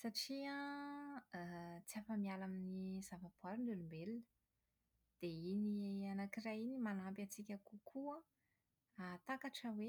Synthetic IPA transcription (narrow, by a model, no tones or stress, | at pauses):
saʈ͡ʂiã | t͡siafəmialaminiz̥avabaɾinɖ͡ʐ̪ulumbelunə | d̪̥einianakirajinimanampjat͡sikʲakukʰua | at̪akaʈ͡ʂəwe